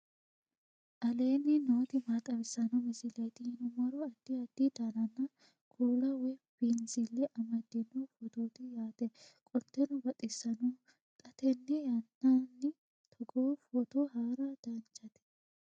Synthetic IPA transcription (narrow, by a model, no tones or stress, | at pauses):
ʔɐle̞ːnːɪnoːt̪ɪmaːt̪ʼɐβɪsːɐnɔmɪsɪlɐjt̪ɪhɪnʊmɐɾɔɐd̪̥ːiɐd̪ːid̪anɐnːɐ | kʰuːlɐwɛbɪnsɪlːɛʔɐmɐd̪ːɪnːofɔt̪oːt̪ɪjaːt̪ɛkʼɔnt̪ːɛnʊbɐt̪ʼɪsːɐnoː | kʼɐt̪ɛnːɛjɐnːaːnːɪ | t̪ʰɔɡoːfɔt̪oɦaːɾad̪̥ɐnt͡ʃʼːɐt̪ɛ̥